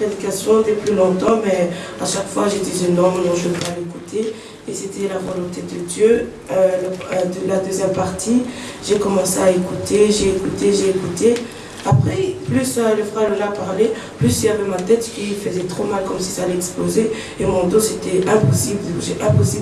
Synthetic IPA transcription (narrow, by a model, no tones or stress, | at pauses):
ped̪ikasjɔ̃d̪əplylɔ̃t̪ɑ̃mɛaʃakfwaʒet̪ɛzenɔmnɔ̃ʒəvɛpalekut̪e | eset̪ʰɛlavɔlɔ̃t̪ed̪əd̪jø | ləd̪əlad̪øzjɛmpaʁt̪ʰi | ʒekɔmɑ̃seaekut̪eʒeːkut̪eʒeːkut̪e | apχɛplysiləfʁɛləlapaʁle | plysilavɛmat̪ɛt̪piilfəzɛt̪χomalkɔmsizalɛɛkspoze | emɔ̃d̪oset̪ɛɛ̃pɔsiblʒeʔɛ̃pɔsib